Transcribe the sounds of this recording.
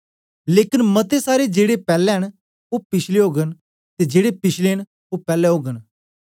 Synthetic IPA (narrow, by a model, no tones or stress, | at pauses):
leːkɪnmət̪esaːɾed͡ʒeːɽepɛːlɛɦəɽ̃ | opɪʃʰleɦoːɡən | t̪ed͡ʒeːɽepɪʃleɦəɽ̃ | opɛːlɛɦoːɡən